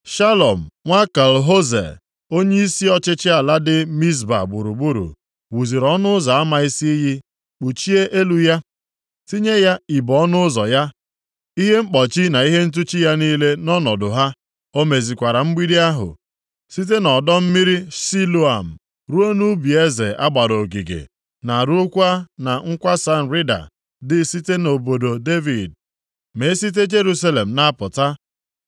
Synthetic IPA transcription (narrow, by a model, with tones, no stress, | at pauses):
ʃa˦lɔ˨m̩˨ŋʷa˦ka˨lɦo˦zḛ˨ | o˦ɲe˦i˦si˦ɔ˦t͡ʃɪ˦t͡ʃɪ˦a˨la˦dɪ˦mi˦s̬ba̰˨bṵ˨ɾu˨bu˦ɾṵ˨ | wu˨zi˨ɾɔ˦nʊ˦ʊ˦za˨a˦ma˨i˦si˦i˦ɦi˦ | k͡pu˨t͡ʃi˦e˦ʔe˦lu˨ja˦ | ti˦ɲe˦ja˦i˨bɔ˨˦nʊ˦zɔ̰˨ja˦ | i˦ɦe˦ŋ͡m̩˦k͡pɔ˨t͡ʃi˦na˨i˦ɦe˦n̩˦t̬u˦t͡ʃi˦ja˦niː˦le˦nɔ˦nɔ˨dʊ˨ɦa˦ | o˦me˨zi˨kʷa˨ɾa˨m̩˦ɡ͡bi˦di˦a˦ɦʊ̰˨ | si˦t̬e˦nɔ˨dɔ˦m̩˦mi˦ɾi˦si˦lo˦a˨m̩˨ | ɾu˦o˦nu˦bi˨e˦ze˨ʔa˦ɡ͡ba˨ɾo˨ɡḭ˨ɡḛ˨ | na˨ɾu˦o˦kʷu˦a˦na˨ŋ̩˦kʷa˦sa˦n̩˨ɾi˦da̰˨ | dɪ˦si˦te˦no˨bo˨do˨de˦vi˨d̚ | me˨˦si˦t̬e˦d͡ʒe˦ɾu˦sa˦le˨m̩˨na˦pʊ˨ta˦